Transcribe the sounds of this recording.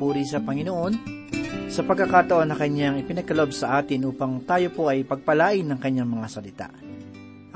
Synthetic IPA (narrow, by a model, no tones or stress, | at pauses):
uɾisɐpɐŋɪno̞ʔo̞n | sɐpɐɡ̚kːɐkat̪ɐʔo̞nːɐkɐɲːaŋɪpɪnɐɡ̚kːɐloʔobsɐʔaːt̪ɪnʔuːpɐŋt̪aːjo̞po̞ʔɐjpɐɡ̚pɐlaːʔɪnːɐŋkɐɲːaŋmɐŋasɐlɪt̪a̰ʔ